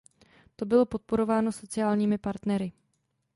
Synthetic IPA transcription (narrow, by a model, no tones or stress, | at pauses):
t̪o̞bɪlo̞po̞t̪̚po̞ɾo̞vaːno̞so̞t͡sɪjaːlɲiːmɪpaɾt̪nɛɾɪ